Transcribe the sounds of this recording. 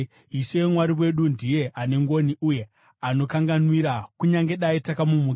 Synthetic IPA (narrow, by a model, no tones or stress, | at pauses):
iʃemwaɾiwe̞ɗundije̞ʔane̞ŋɡo̞niʔuje̞ | ano̞kaŋɡanwiɾakuɲaŋɡe̞ɗaitakamumuːk